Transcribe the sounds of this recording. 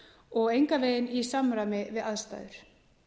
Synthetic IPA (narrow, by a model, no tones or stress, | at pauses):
ɔɣejŋkaveːjðɪnisamɾamɪvɪðaðst̪a̰ːðʏɾ̥